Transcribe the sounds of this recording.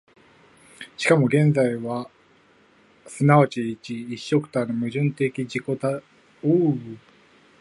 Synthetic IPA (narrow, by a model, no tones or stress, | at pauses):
ɕi̥kamo̞ɡẽ̞nd͡zaiβa | sɨnaat͡ɕiːt͡ɕiːɕːo̞kɯ̟̥t̪anomɯ̟ʑɨ̃nt̪e̞kʲid͡ʑiko̞t̪a | o